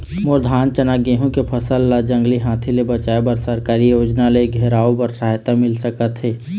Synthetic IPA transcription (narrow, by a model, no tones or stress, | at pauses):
mʊɾd̪ʱaːnt͡ʃənaɡeːɦõkepʰəsəlːad͡ʒə̃ŋɡliɦãːt̪ʰilebət͡ʃaːebəɾsəɾkaːɾijoːd͡ʒnaleɡʱeːɾaːobəɾsaːɦt̪amɪlsəkət̪ɦeː